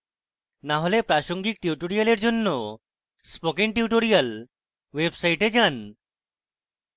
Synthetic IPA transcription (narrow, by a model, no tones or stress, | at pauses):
naɦolepɾaʃoŋɡik̚ʈiuʈoɾijaleɾd͡ʑonːo | spokiŋʈiuʈoɾijal | websajʈed͡ʑan